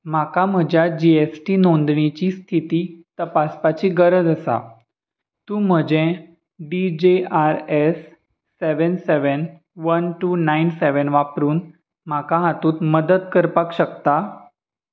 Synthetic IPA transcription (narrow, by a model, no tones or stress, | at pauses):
m̤akam̤əd͡ʑjad͡ʑiesʈiːnond̪ɳit͡ɕiːst̪ʰit̪iːt̪əpaspat͡ɕiːɡəɾəd͡z̪əsa̰ | t̪ũːm̤əd͡ʑẽ | ɖid͡ʑeaɾesː | eʋənseʋən | ʋənʈunajnseʋənʋapɾuːn | m̤akaɦat̪uːt̪məd̪əd̪kəɾpakɕəkt̪a